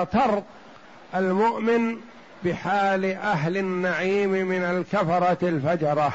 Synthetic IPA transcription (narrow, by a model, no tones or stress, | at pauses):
t̪ɑɾˤt̪ | ʔalmʊʔmɪn | bɪħaːlʔaɦlanːaʕiːmmɪnalkafɑɾˤɑlfad͡ʒɑɾˤɑ